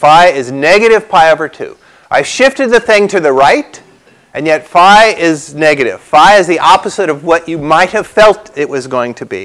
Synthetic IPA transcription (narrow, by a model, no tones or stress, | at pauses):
faɪɪznɛɡɨɾɨv̥pʰaɪovə˞tʰʉ̰ | ʔaɪv̥ʃɪftɨd̪̚ðɨθɪ̃ŋtʰɨðɨɹaɪɾ | ɨ̃njɛtfaɪɪznɛɡɨɾɨ̰v̥faɪɨzðiʔɑpəzɨɾʌvwʌt͡ʃɨmaɪt̚hɨv̥fɛlˠtɨʔ̚wʌzɡoʊɪ̃ŋtʰɨbḭ